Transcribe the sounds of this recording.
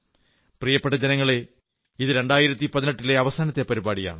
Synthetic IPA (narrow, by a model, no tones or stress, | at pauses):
prijɐpːeʈːɐd͡ʑenɐŋːɐɭe | iðɨɾe̞ɳɖaːjiɾɐt̪ːipɐðinɐʈːile̞ɐʋɐsaːnɐt̪ːepɐɾibaːɽija̰ːɳɨ